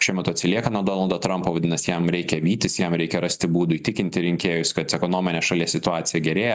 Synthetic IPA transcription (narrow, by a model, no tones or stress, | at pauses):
ʃʲɛɪmʲɐt̪uːɐt̪sʲɪlʲiɛkɐnuɔd̪oːnɐlˠd̪oːt̪ɾɐmpoːʋɐd̪ʲɪnɐsjɛmɾʲɛɪkʲɛʋʲiːt̪ʲɪsjɛmɾʲɛɪkʲɛɾɐsʲt̪ʲɪbuːd̪ʊiːt̪ʲɪkʲɪnʲt̪ʲɪɾʲɪŋʲkʲeːjʊsʲkɐt̪ɛkonoːmʲɪnʲeːʃɐlʲiɛssʲɪt̪ʊɑːsʲɪjɛɡʲɛɾʲeːjɛ